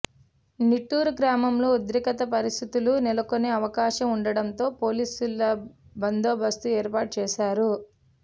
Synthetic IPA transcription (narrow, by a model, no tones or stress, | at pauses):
niʈːuːɾuɡɾaːmɐmloːud̪ɾikɐt̪ɐpɐɾist̪ʰit̪ulunilɐkoneːɐʋɐkaːʃɐmuɳɖɐɽɐnt̪o̞ːpo̞ːliːsulːɐbɐnd̪oːbʱɐst̪uɛːɾpaːʈ̚t͡ʃɛːʃaːɾu